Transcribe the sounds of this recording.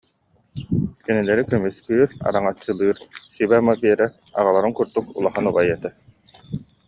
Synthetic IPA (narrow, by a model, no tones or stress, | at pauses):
kinilɛɾikœmyskyːɾa̰ɾaŋat͡ɕːɯlˠɯːɾsibɛmabiɛɾɛɾ | a̰ʁalˠaɾɯŋkuɾd̪ukṵlˠaχanubajɛt̪a